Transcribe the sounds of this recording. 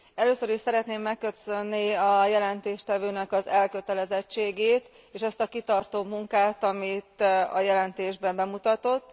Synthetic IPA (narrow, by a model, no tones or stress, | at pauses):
ɛløːsøɾiʃsɛɾɛt̪neːmːɛkːøsønːiɒjɛlɛnt̪eːʃt̪ɛvøːnɛkɒzɛlkø̞t̪ɛlɛzɛt͡ʃːeːɡeːt̪ | eːʃɛst̪ɒkit̪ɒrt̪oːmuŋkaːt̪ɒmit̪ɒ̰jɛlɛnt̪eːʒbɛbɛmut̪ɒt̪o̞t̪ː